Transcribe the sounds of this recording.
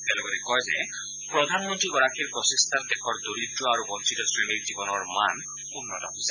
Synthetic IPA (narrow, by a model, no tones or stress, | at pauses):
tɛalɔɡɔtɛkɔjzɛ̰ | pɹɔd̪ʱanmɔntɹiɡɔɹakʰiɹpɹɔsest̪ʰadɛkʰɔɹdoɾidɹɔaɹubɔntɹitɔsɹeliɹzibɔnɔɹman | unːɔtɔ̰ɦojsɛ̥